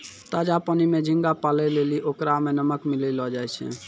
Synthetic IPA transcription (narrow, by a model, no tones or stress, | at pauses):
t̪ad͡ʒapənimed͡ʒʱiŋɡapalɛleliʔokɾamenəməkmilɛlɔd͡ʒajt͡ʃʰɛ̰